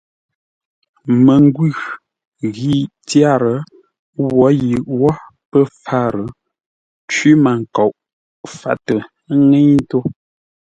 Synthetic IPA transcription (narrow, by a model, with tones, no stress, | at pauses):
mə˨ŋ˦ɡwʉ˦˨ | ɣi˦˨ | tja˦˨ɾə˨ | wɔ˨˦ji˨ʔwɔ˦ | pə˦˨fa˦˨ɾə˨˦ | t͡ʃwi˦ma˨ŋ˨kɔ˨ʔ | fa̰˦tə˨˦ | ŋe˦ɲ˦to˦